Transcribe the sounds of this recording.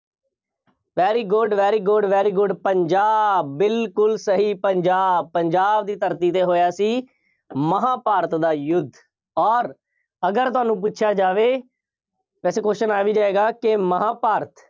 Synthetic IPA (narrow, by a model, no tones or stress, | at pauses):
ʋɛːɾiːɡʊɖʋɛːɾiːɡʊɖʋɛːɾiːɡʊɖpəɲd͡ʒaːbɪlkʊlsəɦiːpəɲd͡ʒaːbpəɲd͡ʒaːbd̪iːt̪əɾt̪iːt̪eːɦoːjaːsiː | məɦãːpaːɾət̪d̪aːjʊd̪ʱː | ɔːɾ | əɡəɾt̪ʊɦaːnũːp̬ʊːʃʰjaːd͡ʒaːʋeː | ʋɛːseːkoːɪənaːʋiːd͡ʒaːeːɡaːkɪməɦãːpaːɾt̪ʰ